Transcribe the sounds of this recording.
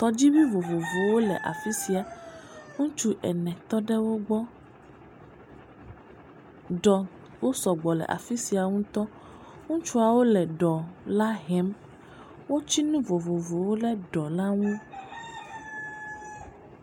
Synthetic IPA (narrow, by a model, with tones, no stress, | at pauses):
t̪ɔ˨d͡ʑi˦bi˦vo˨vo˨vo˨wo˦lɛ̰˨ʔa̰˨fi˦si˨a˨ŋũ˦t͡ʃu˦ʔɛ˨nɛ̃˨t̪ɔ˦ɖɛ˦wo˦ɡ͡bɔ˦ | ɖɔ˨ | wo˦sɔ˨ɡ͡bɔ˨lɛ̰˨ʔa̰˨fi˦si˨a˨ŋũ˦t̪ɔ˦ | ŋũ˦t͡ʃu˦a˨wo˦lɛ˨ɖɔ˨la˦ɦɛ˨˦m | wo˦t͡ɕi˦nũ˦vo˨vo˨vo˨wo˦lɛ˦ɖɔ˨la˦ŋũ˦